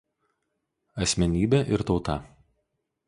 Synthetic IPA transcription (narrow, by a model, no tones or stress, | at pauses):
ɐsʲmʲɛnʲiːbʲɛʔɪɾt̪ɒʊt̪ɐˑ